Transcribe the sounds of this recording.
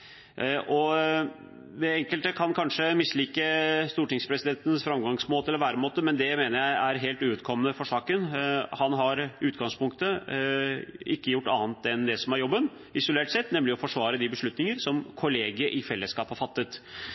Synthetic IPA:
ʔɔ | ʋɛɛŋkəlt̪əkʰɑnkʰɑnʂəmɪsːliːkəst̪uːʈɪŋspʰɾɛsɪd̪ɛnt̪ən̩sfɾɑmɡɑŋsmoːt̪əlɔʋæːɾəmoːt̪əmɛnd̪ɛmeːnəɾjæɪæɾɦeːlt̪ʉːʉːt̪̚kʰɔmːənəfɔʂɑːkənhɑnɦɑɾʉːt̪ɡɑŋspʊŋk̚t̪ə | ɪkːəjʊʈːɑːnt̪ɛnd̪ɛsɔmæɾjɔbːən | ɪsʊleːʈsɛt̪ːnɛmlɪɔfɔʂʋɑːɾəd̪ɪbəʂɭʉt̪nɪŋəɾsɔmkʰʊleːɡəʔɪfɛlːəskɑːphɑɾfɑt̪ːət̪

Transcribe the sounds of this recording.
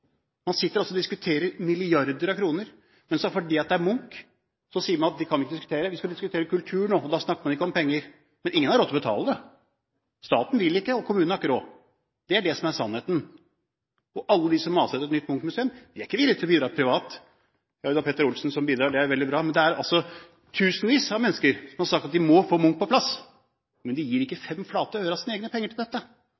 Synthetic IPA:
mɑnsɪt̪ːəɾɑlsɔd̪ɪskʉt̪ʰeːɾəɾmɪlɪɑɾd̪əɾɑkʰɾuːnəɾ | mɛnsɔfɔɖiːɑt̪̚d̪ɛæɾmʊŋk | sɔsiːəɾmɑnɑt̪̚d̪ɪkʰɑnʋɪkːəd̪ɪskʉ̥t̪ʰeːɾəʋɪskɑd̪ɪskʉt̪ʰeːɾəkʉlt̪ʰʉːɳoːɔd̪ɑsnɑkːəmɑnɪkːəɔmpɛŋːəɾ | mɛnʔɪŋːənhɑɾɔt̪ːɔbət̪ʰɑ̰ːləd̪ɛ | st̪ɑːt̪n̩ʋɪlːɪkːəɔkʰʊmʉːɑkːəɾoː | d̪̥ɛæɖɛsɔmæɾsɑnːheːt̪n̩ | ɔʔɑlːəd̪ɪsɔmːɑːsɛɛt̪nʏt̪ːmʊŋkmʉseːəmd̪ɪæɾɪkːəʋɪlːɪt̪ʰɪlɔbiːd̪ɾɑːɾpʰɾɪʋɑːt̪ | jɑd̪ɑpɛt̪əɾʊlsn̩sɔmbiːd̪ɾɑːɖɛæɾʋɛld̪ɪbɾɑːmɛnd̪ɛæɾɑ̰lsɔ | t̪ʰʉːsnʋiːsɑmɛnːəskəɾsɔmhɑɾʂɑk̚t̪ɑt̪̚d̪ɪmɔfoːmʊŋk̚pʰɔpʰlɑs | mɛnd̪ɛjiːɾɪkːəfɛmːfɑːt̪əɾøːʋəɾɑsiːnəeːɡnəpʰɛŋːəʈʰɪld̪ɛt̪ːə

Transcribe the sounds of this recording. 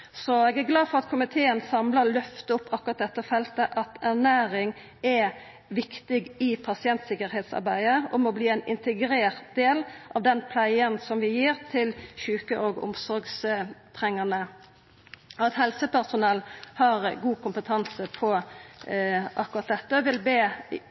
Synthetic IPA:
sɔɛːɡæɾɡlɑːd̪fɔʁɑt̪kʰʊmɪt̪ʰeːənsɑmləɾlœft̪əʊpːɑkːʊɾɑt̪̚d̪ɛt̪ːəfɛlt̪əʔɑt̪æʁnæːɾɪŋ | æ | ʋɪkt̪ɪɡɪpʰɑsɪɛnt̪sɪkəɾheːt̪sɑ̰ɾbæɪəɔmɔbliːæɪnɪ̰nt̪əɡɾeːʁt̪̚d̪̥eːlʔɑʋd̪ɛnpʰlæɪənsɔmʋɪjiːɾt̪ʰɪlçʉːkəʔoːɡʊ̰msɔɾɡst̪ʰʁɛŋːənə | ɑt̪hɛlsəpæʁsʊnɛlːhɑɾɡuːkʊmpət̪ʰɑnsəpʰɔ | ʔɑkːʊɾɑt̪̚d̪ɛt̪ːəʋɪlbeː

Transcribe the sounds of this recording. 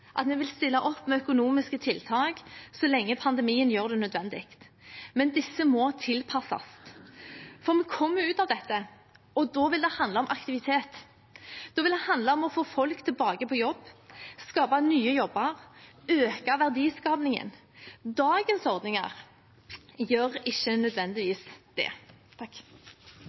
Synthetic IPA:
ʔɑ̰t̪mɛʋɪlst̪ɪlːɑʔɔpːmɛœkʊnuːmɪskət̪ʰɪlːt̪ʰɑːɡsɔlɛŋːəpʰɑnd̪ɛmiːənjøːʁd̪ɛnœd̪ʋɛnd̪ɪkt̪mɛnd̪ɪsːəmɔt̪ʰɪlpʰɑsɑ̰s | fɔʁmɛkʰɔmːəʉːt̪ɑːʋd̪ɛt̪ːə | ɔd̪ɔʋɪld̪ɛhɑnd̪lɔmʔɑkt̪ɪʋɪt̪ʰeːt̪ | d̪̥ɔʋɪld̪ɛhɑnd̪lɑɔmɔfoːfɔlkt̪ʰɪlbɑːɡəpʰɔjɔbːskɑːpɑnyːəjɔbːɑʁøːkɑʋæʁd̪iːskɑːpnɪŋə̰n | d̪ɑːɡənsɔʁd̪nɪŋɑ̰ʁ | jøːʁɪçːənœd̪ʋɛnd̪ɪʋiːsd̪̥ɛ̰t̪ʰɑk

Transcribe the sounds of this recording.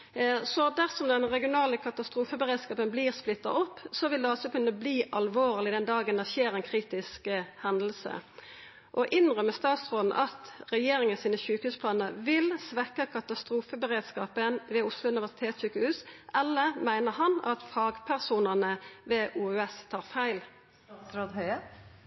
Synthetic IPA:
sɔd̪æʁsɔmd̪ɛnʁɛɡɪʊnɑːləkʰɑt̪ɑst̪ʁuːfəbəʁeːd̪skɑːpənbliːʁsplɪt̪ːɑ̰ɔpːsɔʋɪld̪ɛɔsːɔkʉnəbliːʔɑlʋoːʁlɪd̪ɛnd̪ɑːɡənd̪æçeːɾɛnkʰʁiːt̪ɪskhɛnd̪l̩sə̰ | ʔɔʔɪnʁœmːəst̪ɑːt̪sʁoːd̪n̩ʔɑt̪ʁɛjeːʁɪŋənsiːnəsʉːkəhʉːspʰlɑːnəɾʋɪlsʋɛkəkʰɑt̪ɑst̪ʁuːfəbəʁeːd̪skɑːpənʋɛʊslʊʉnɪʋæʁsɪ̥t̪ʰeːt̪syːkəhʉːsʔɛlːəʁmæɪnəɾhɑnɑt̪fɑːɡpʰæʁsuːnəʁnəʋɛʔuːøːɛst̪ʰɑːʁfæɪl | ɾoːd̪hœ

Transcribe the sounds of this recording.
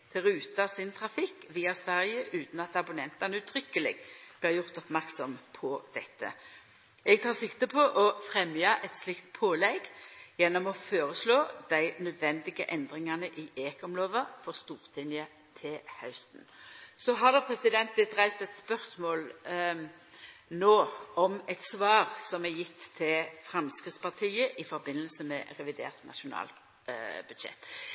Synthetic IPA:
t̪ʰɪɾʉːt̪ɑsɪnt̪ʰʁɑfɪkːʋiːɑsʋæʁjəʔʉːt̪n̩ɑt̪ɑbʊnɛnt̪ɑnəʉːt̪ʰʁʏkːəlɪ̰ɡb̥lɪːʁjʊʁt̪ɔpmæʁksɔmpʰɔd̪̥ɛt̪ːə̰ | ɛɡ̚t̪ʰɑːʁsɪkt̪əpʰɔʔɔfʁɛmjɑʔɛt̪slɪkt̪pʰoːlɛɡjɛnːɔmɔføːɾəsloːd̪̥æɪnœd̪ʋɛnd̪ɪɡəʔɛnd̪ɾɪŋɑnəʔɪʔeːkɔmloːʋəfɔʁst̪uːʁt̪ʰɪnjə | t̪ʰɪhɑʉst̪n̩sɔɦɑʁd̪ɛpʰɾɛsɪd̪ɛnt̪̚b̪lɪt̪ʁæɪst̪ɛt̪spœʁsmoːl | noːɔmɛt̪sʋɑːʁsɔmɛjɪt̪ʰːɪlfɾɑmskɾɪt̪spɑʁt̪ʰiːəʔɪfɔɾbɪnːəlsəmɛʁɛʋɪd̪ḛːʁt̪nʔɑ̰ʃʊnɑ̰ːl | b̥ʉd̪ʃɛ̰t̪ː

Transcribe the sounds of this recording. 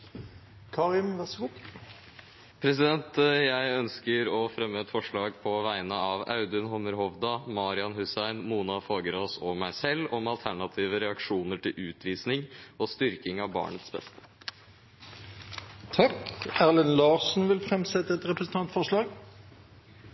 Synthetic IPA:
kʰɑːʁɪmʋæʁsɡʊ | pʰɾɛsɪd̪ɛnt̪jæɪœnskəɾɔfɾɛmːəɛt̪fɔʂɭɑːɡpʰɔʋæɪənəɑʋɑ̰ʉd̪ənhɔməɾɦɔʋd̪ɑmɑːɾɪɑnɦʉsæɪnmuːnɑfoːɡəɾosɔmæɪsɛlːɔmɑlt̪ʰæɳɑt̪ʰiːʋəɾɛɑkʂuːnəʈʰɪlʔʉːt̪ʰʋiːsnɪŋɔst̪ʏɾkɪŋɑʋbɑ̰ːɳət̪sbɛ̰st̪ə̥ | t̪ʰɑkæʁlənlɑːʁsn̩ʋɪlfɾɛmsɛt̪ːəɛt̪ɾɛpɾəsn̩t̪ʰɑnt̪fɔʁʂɭɑːɡ

